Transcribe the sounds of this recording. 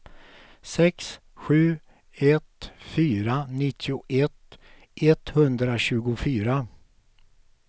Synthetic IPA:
sɛks | ɧʉ̟ː | ɛt̪fyːɾanɪt̪ʰːɪʊʔɛt̪ː | ʔɛt̪hɵnd̪ɾaɕʉ̟ːɡʊfyːɾa

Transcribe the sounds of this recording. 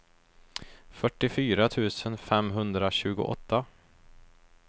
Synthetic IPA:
fœʈːɪfyːɾat̪ʰʉ̟ːsənfɛmɦɵnd̪ɾaɕʉ̟ːɡʊ̰ʔɔ̰t̪ːa

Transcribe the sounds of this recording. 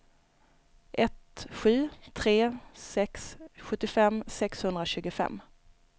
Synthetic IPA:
ʔɛt̪ɧy̟ːt̪ʰɾeːsɛksɧɵt̪ːɪfɛmːsɛkshɵnd̪ɾaɕʉ̟ːɡʊfɛ̰mː

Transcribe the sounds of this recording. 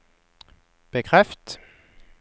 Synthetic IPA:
b̥əkʰʁɛft̪

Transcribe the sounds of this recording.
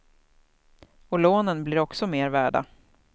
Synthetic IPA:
ɔloːnənblɪɾɔksɔmeːɾvæːɖa̰

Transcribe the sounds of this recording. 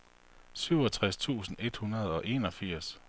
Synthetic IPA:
syʊɒ̽t͡sʰʁast͡sʰṵːsn̩e̝d̥hunɐð̞ˠɒ̽ʔe̝ːnɒ̽fiɐ̰s

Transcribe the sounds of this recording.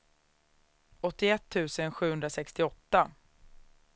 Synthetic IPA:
ɔt̪ːɪɛt̪ʰːʉ̟ːsənɧʉ̟ːɵnd̪ɾasɛkst̪ɪɔt̪ːa

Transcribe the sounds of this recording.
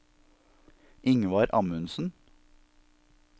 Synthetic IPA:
ɪŋʋɑːɾʔɑmʉnsn̩

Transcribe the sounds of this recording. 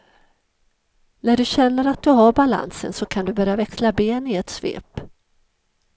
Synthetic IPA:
næɖɵɕɛnːəɾat̪̚d̪ɵɦaɾbala̰nsə̰nsɔkʰand̪ɵbœɾjavɛkslabeːnɪɛt̪svḛːp

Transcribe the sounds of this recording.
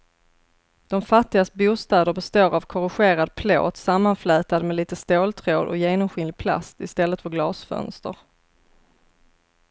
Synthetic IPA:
d̪̥ɔmfat̪ːɪɡast̪buːst̪ɛːd̪əɾbɛst̪oːɾavkʰɔɾɪɧeːɾad̪̚pʰlo̰ːt̪samːanflœːt̪ad̪mɛliːt̪əst̪oːlt̪ʰɾoːd̪ɔ̰jeːnɔmɧɪnlɪɡ̚pʰla̰st̪ɪst̪ɛlːət̪fœɾɡlɑːsfœ̰nst̪ə̰ɾ

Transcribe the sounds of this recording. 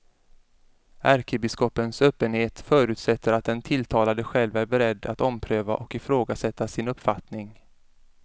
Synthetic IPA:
ʔæɾkʰəbɪskɔpːənsøːpːənheːt̪fœːɾʉ̟ːt̪sɛt̪ːəɾat̪̚d̪ɛnt̪ʰɪlt̪ʰɑːlad̪əɧɛlvæɾbɛɾɛd̪ːa̰t̪ɔmpʰɾøːva̰ʔɔkɪfɾoːɡasɛt̪ːasɪnɵpːfat̪nɪŋ

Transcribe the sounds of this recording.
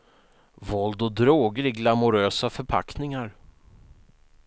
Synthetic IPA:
vɔld̪ɔd̪ɾoːɡəɾɪɡlamʊɾøːsafœɾpʰa̰knɪŋaɾ

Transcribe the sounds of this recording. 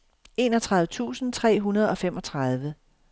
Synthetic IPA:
e̝nɒ̽t͡sʰʁaðˠʋət͡sʰṵːsn̩t͡sʰʁɛ̰ːɦunɐðˠɒ̽femɒ̽t͡sʰʁɑðˠʋə

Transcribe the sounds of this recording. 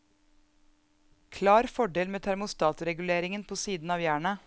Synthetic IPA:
kʰlɑːɾfɔɖeːlmeːt̪ʰæɾmʊst̪ɑːt̪ɾɛɡʉleːɾɪŋənpʰoːsiːd̪n̩ɑːʋjæːɳə

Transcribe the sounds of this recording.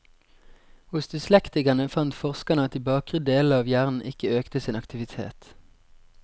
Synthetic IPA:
hʊsd̪ʉslɛkt̪ɪkɑnəfɑnt̪fɔʁskɑnɑt̪ɪbɑːkʁəd̪eːləɑːʋjæːʁnn̩ʔɪkəøːkt̪əsiːnɑkt̪ɪʋɪt̪ʰḛːt̪

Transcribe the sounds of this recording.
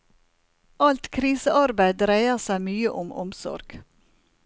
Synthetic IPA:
ɑlt̪kʰɾiːsəʔɑɾbæɪd̪ɾæɪəsæɪmyːəʔɔmʔɔ̰msɔ̰ɾɡ̥

